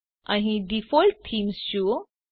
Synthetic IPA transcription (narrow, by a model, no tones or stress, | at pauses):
ãɦiɖifɔlʈ̚t̪ʰːiːmst͡ɕu